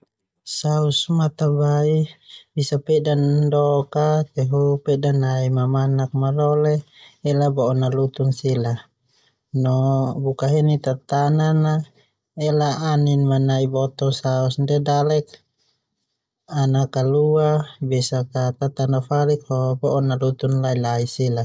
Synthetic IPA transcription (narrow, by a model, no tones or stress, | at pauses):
sausmat̪abaibisapɛdandɔkat̪ɛɦupɛdanːaimamanak̚malɔlɛː | labɔɔnalut̪unsila | nɔbukaɦinit̪at̪anana | ɛlaːninmanaibɔt̪ɔsaɔsndɛdalɛk̚ | anakaluabɛsakat̪at̪anafalikhɔbɔʔɔnalut̪unlailaisila